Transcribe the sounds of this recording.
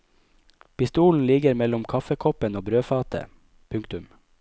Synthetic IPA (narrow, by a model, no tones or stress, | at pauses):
pɪst̪uːln̩lɪɡəɾmɛlʊmkʰɑfəkʰɔpənoːbɾøːfɑːt̪ʰə̰ | pʰʉŋkt̪ʉm